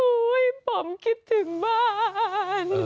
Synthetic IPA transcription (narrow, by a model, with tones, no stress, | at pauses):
u˧˦jpɔ˨˩˦mki˧˥p̚t̪ʰɯ˨˩˦ŋbaː˦˥ | n